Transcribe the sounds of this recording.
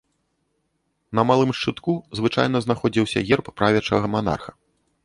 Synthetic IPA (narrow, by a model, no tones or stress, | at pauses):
nɐmalˠɨmʂt͡ʂɨt̪kuzvɨt͡ʂa̰jn̪ɐznaxɔd͡zʲiwsʲɐ̰ɣʲɛrpːɾavʲɛt͡ʂɐ̰ɣɐman̪a̰rxɐ